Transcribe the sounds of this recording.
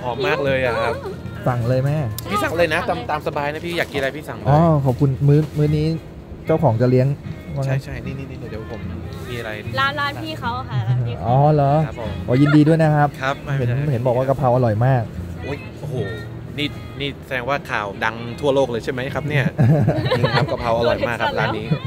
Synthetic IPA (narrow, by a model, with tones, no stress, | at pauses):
hɔː˩˦mːaː˥˩k̚lɤː˧jʔa˨˩kʰa˦˥p̚sa˨˩ŋlɤː˧jmɛ˦˥pʰiː˥˩sa˨˦ŋlɤː˧jna˦˥t̪a˧mt̪aː˧msa˧baː˧jna˦˥pʰiː˥˩jaː˨˩kːi˧a˧pʰiː˥˩sa̰˨˩˦ʔɔː˧˩kʰɔː˨˩p̚kʰu˧nmɯː˦˥mɯː˦˥niː˦˥ | t͡ɕa˥˩wkʰɔː˩˦ŋt͡ɕa˨˩li˦˥əŋwa˦˥ŋa˦˥t͡ɕʰa˥˩jniː˥˩niː˥˩niː˥˩u˨˩di˧˦˩pʰo˩˦mmiː˧a˧ɾa˧jlaː˦˥nlaː˦˥nʰiː˥˩kʰa˦˥wʰʔɔː˧˩lɔː˨˩˦kɔː˧˩jiː˧ndiː˧du˥˩əjna˦˥kʰa˦˥p̚kʰa˦˥p̚ɦe˨˩˦nhe˩˦nbɔː˨˩k̚waː˥˩ka˧pʰa˧wʔa˧ɾɔ˨˩jmaː˥˩k̚ʔoː˦˥˩jʔoː˧˩hoː˨˩ | niː˥˩ | niː˥˩sa˧dɛː˧ŋwaː˥˩kʰaː˨˩wda˧ŋt̪ʰu˥˩ɐloː˥˩k̚lɤː˧jt͡ɕʰa˥˩jma˦˥jkʰa˦˥p̚ni˥˩ɐ˧˩ | kʰa˦˥pka˧pʰa˧wʔa˧ɾɔ˨˩jmaː˥˩kʰːa˦˥p̚laː˦˥nːiː˦˥